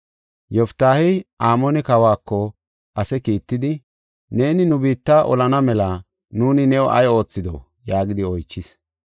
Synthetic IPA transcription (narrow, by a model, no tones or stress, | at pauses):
jɔft̪ːaːhɛʔaːmɔnɛkɐwaːkːɔ | ʔɐsɛkiːt̪ːɪd̪ɪ | ne̞ːnɪnʊbiːt̪ːaːʔɔ̰lɐnɐmɛlɐ | nuːnɪnɛwɔʔɐ̰jo̞ːt͡sːɪd̪ɔ̰ | jaːɡɪd̪ɪɔjt͡ʃːɪs